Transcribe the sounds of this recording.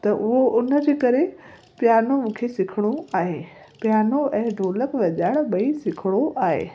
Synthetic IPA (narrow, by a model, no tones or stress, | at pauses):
t̪ɐʔʊɦoʔʊnə̆d͡ʑeːkɐɾe | pjaːnomũːkʰesɪkʰɪɽ̃oaːɦeː | pjaːnoɛ̃ːɖʱoːləkʋɐʄaːɽɓɐisɪkʰɪɽ̃oʔaːɦḛː